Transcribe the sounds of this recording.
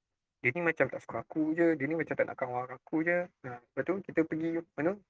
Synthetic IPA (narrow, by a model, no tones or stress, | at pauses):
dinimat͡ʃamt̪aʔsə̥kuakud͡ʒədinimat͡ʃamt̪aʔna̰ʔkanwaɾakud͡ʒəəmbat̪ukit̪əpəɡimanu